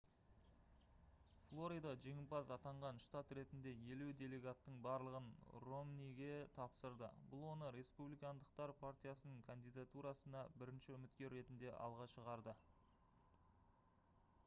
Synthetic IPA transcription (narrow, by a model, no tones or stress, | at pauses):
flˠo̞ɾijd̪ɑʒeŋʲɪpɑzɑt̪ɑɴʁɑnʃt̪at̪ɾe̞t̪ɪnd̪e̞je̞lud̪e̞le̞ɡat̪ːəɴbɑɾlˠəʁənro̞mnijɡʲe̞t̪ʰɑpsəɾd̪ə̰bʊlˠwo̞nəɾe̞spublijkand̪əq̚t̪ɑɾpʰart̪ijasənəɴkʰand̪ijd̪at̪uɾɑsənɑbɪɾɪnʃɪʏmɪt̪̚kʲe̞ɾːe̞t̪ɪnd̪e̞ʔɑ̰lˠʁɑʃəʁɑɾd̪ə